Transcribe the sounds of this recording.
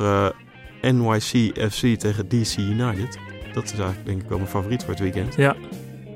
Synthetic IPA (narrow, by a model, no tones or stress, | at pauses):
ə | ɛnwajsiɛfsitejχədisijunajtətd̥ɔtɪsɛjχələɡ̚dɛŋkɪkʋɛ̰lˠmənfavoːritfʊːɹətʋikɛnt